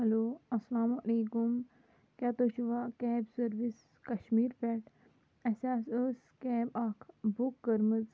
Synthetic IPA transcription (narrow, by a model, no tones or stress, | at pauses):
hɐloːɐslaːmuɐleːkum | kʲat̪ot͡ʃuʋakɛːbsɐɾʋis | kɐʃmiːɾpɛʈ | ɐsasəs | kɛːbakʰbukɡəɾməz